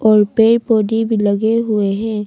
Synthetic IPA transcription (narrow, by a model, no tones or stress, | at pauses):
ɔːɾpeːɾpoːɖibʱiləɡeɦʊeɦɛ̃ː